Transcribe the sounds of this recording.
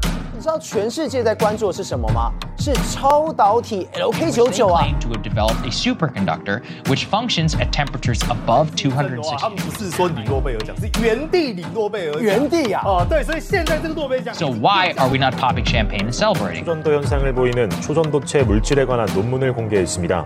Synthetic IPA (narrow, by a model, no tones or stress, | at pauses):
nnit͡ʃɻ̩d̪ɑʊt͡ɕʰɥɛnʂɻ̩t͡ɕjɛt͡saɪkwant͡swɔʂɻ̩ʂəməma̰ʂɻ̩t͡sʰɑʊt̪ɑʊt̪ʰiɛoʊkʰeɪt͡ɕjoʊt͡ɕjoʊaẽɪ̃ntʰədɨvɛlˠəp̚tesʉpə˞kʰɨ̃ndʌ̰k̚tə˞ | wɪt͡ʃfʌ̃ŋkʃɨ̃nzɨtʰɛ̃mpəɹət͡ʃə˞zəbʌv̥tʰʉɦʌ̃dɹɨɪampuʂɻ̩swɔninwɔpeɪət͡ɕãŋɥɛnt̪ininwɔpeɪəɥɛnt̪iat̪weɪswɔiɕjɛnt͡saɪnəɡənwɔpjeɪt͡ɕjasoʊwaɪə˞winət̚pʰɑblɪ̃kʃæ̃mpʰẽɪ̃nnsɛlˠəbɹḛɪɾɪ̰̃d͡ʑʌnd̪ojʌnsʰaŋɯɭpoinɯnt͡ɕʰod͡ʑʌnd̪ot͡ɕʰe̞muɭt͡ɕʰiɾe̞ɡwananːonmunɯɭkoŋɡe̞ɦes͈ɯmɲida̰